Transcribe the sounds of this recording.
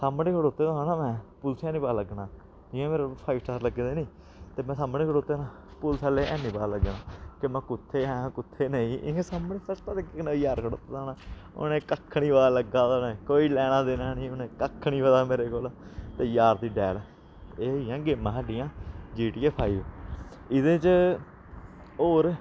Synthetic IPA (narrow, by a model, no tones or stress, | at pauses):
saːmɽeːkʰəɽoːt̪ːeːd̪ãːnãːmɛ̃ːpʊlsɛːnĩːpaːləɡnãː | d͡ʒɪːãːmeːɾeopʰaːibsʈaːɾləɡeːd̪eːniː | t̪eːmɛ̃ːsaːmnẽːkʰəɽoːt̪eːnãː | pʊlsʰaːleːʔɛːnĩːpaːləɡnãːkɪmɛ̃ːkʊt̪ʰːeːɦɛ̃ːkʊt̪ʰːeːneĩːʔãːsaːmɳeːpəst̪aːd̪ekːeknãjaːɾkʰəɽo̰ːt̪eːd̪aːnaːo̰nẽːkəkʰːɳiːbaːləɡːaːd̪aːnẽkoːiːlɛːɽ̃aːd̪eːnaːnĩːonẽːkəkʰːɳiːʋəd̪aːmeːɾeːkoːlːt̪eːjaːɾd̪iːɖɛːl | eːijãːɡeːmãːɦaɖɪjãːd͡ʒiːʈijẽːpʰaːiːʋ | ɪd̪ẽːt͡ʃ | oːɾ